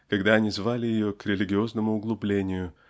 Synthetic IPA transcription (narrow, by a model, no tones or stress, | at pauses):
kɐɡd̪aɐnʲizvalʲɪjɪjo̞kɾʲɪlʲɪɡʲɪo̞znəmʊʊɡlˠʊblʲenʲɪjʊ